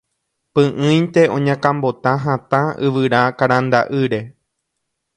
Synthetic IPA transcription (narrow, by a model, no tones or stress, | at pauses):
pɨ̃ʔɨ̃jnt̪e̞õɲãkãmbo̞t̪ãɦãt̪ãɨʋɨɾakaɾãnd̪a̰ʔɨɾe̞